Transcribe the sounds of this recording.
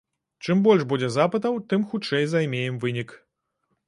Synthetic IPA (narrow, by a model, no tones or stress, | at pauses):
t͡ʂɨmbɔlʲʐbud͡zʲɛzapɐt̪ɐwt̪ɨmxut͡ʂɛjzajmʲejɛmvɨnʲik